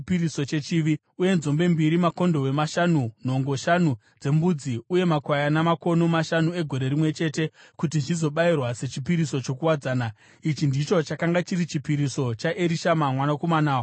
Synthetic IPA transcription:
piɾiso̞t͡ʃe̞t͡ʃiʋi | uje̞nzo̞mbe̞mbiɾimako̞ndo̞we̞maʃanun̤o̞ŋɡo̞ʃanu | d͡ze̞mbud͡ziuje̞makwajanamako̞no̞maʃanue̞ɡʱo̞ɾe̞ɾimwe̞t͡ʃe̞te̞kutiʐizo̞ɓairwase̞t͡ʃipiɾiso̞t͡ʃo̞kuwad͡zaːna | it͡ʃindit͡ʃo̞t͡ʃakaŋɡat͡ʃiɾit͡ʃipiɾiso̞t͡ʃaʔeɾiʃamamwanakomanaːwo

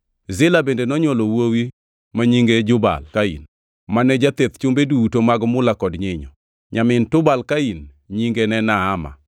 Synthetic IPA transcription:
zɪlabendenɔɲwɔlɔwowi | maɲiŋɡed͡ʒʊba̰lkaḭn | manɛd͡ʒat̪et̪t͡ʃʊmbedutomaɡmʊlakɔdɲɪɲɔ | ɲamɪntʊbalkain | ɲiŋɡenɛnaːma̰

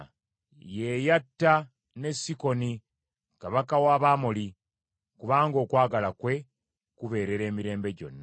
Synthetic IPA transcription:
je̞jatːa | ne̞sːiko̞ni | kaβakawaːβaːmoli | kuβaːŋɡo̞ːkwaːɡalakwe̞ | kuβe̞ːɾe̞ɾe̞ːmiɾe̞ːmbe̞ɟo̞̰nːa

